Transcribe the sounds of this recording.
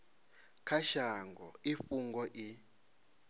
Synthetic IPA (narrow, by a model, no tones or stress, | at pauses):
kʰaʃaŋɡʱɔifuŋɡɔʔi